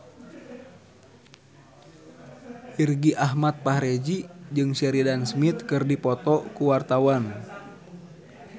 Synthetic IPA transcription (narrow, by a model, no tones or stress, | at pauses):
irɡiʔaɦmat̪̚paɦɾɛd͡ʒid͡ʒɨŋsɛɾidansmit̪̚kɨrdipɔt̪ɔkuwart̪awan